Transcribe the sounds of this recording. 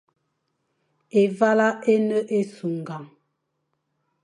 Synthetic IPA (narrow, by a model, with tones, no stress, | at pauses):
e˨va˦la˦ʔe˦nə˦ʔe˦su˨ŋ˨ɡa˨ŋ